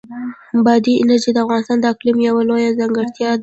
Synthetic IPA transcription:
bɑd̪iɪnaɾd͡ʒid̪əafɣɑnɪst̪ɑnd̪əaklimjawalojazaŋɡəɾt̪jɑ

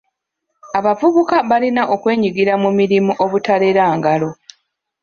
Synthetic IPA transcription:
aβavuβukaβalinaʔo̞kwe̞ːɲiɡiɾamumiɾimuʔo̞βutale̞ɾaːŋɡalo̞

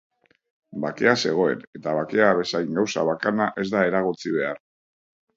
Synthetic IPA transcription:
bake̞ase̞ɣ̞o̞e̞ne̞t̪aβake̞aβe̞sajŋɡawsaβakanaʔe̞zd̪ae̞ɾaɣ̞ot͡siβ̞e̞aɾ

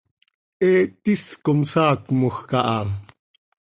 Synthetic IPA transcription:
ʔɛːt̪iskomsɑːkmuxkɑʔɑ

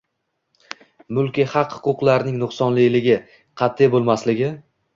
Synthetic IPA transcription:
mʊlˠkʲihɑqhʊ̥qʊqlˠaɾnɪŋnʊχsɒnlɪjlɪɡʲɪ | qʰɑt̪ʰːɪjbolˠmaslɪɡʲɪ

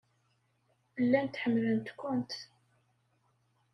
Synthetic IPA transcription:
əlːænt̪ħəmːlənt̪kʷʊnt̪

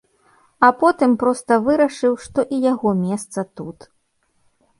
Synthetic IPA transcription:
ɐpɔt̪ɨmpɾɔst̪ɐvɨɾɐʂɨwʂt̪ɔʔijaɣɔmʲɛst̪sɐt̪ut̪

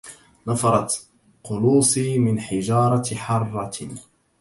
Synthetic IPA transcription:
nɑfɑɾˤɑt̪ | qʊluːsˤiːmɪnħɪd͡ʒɑːɾˤɑħɑrˤːɑ

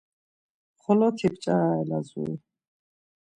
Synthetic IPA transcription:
χɔlɔt̪ʰipʰt͡ʃʼaɾaɛlazṵi

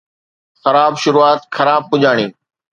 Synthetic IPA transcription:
xɐɾaːbʃʊɾuːaːt̪xɐɾaːb̚kʊd͡ʑʱaːɽ̃iː

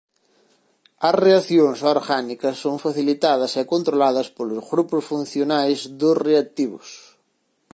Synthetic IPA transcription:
ɐsreaθjoŋsoɾɣanikɐsːoŋfaθilit̪aðɐsɛkont̪ɾolaðɐspolʊzɣɾupʊsfun̟θjonajzðʊsreat̪iβʊ̰s

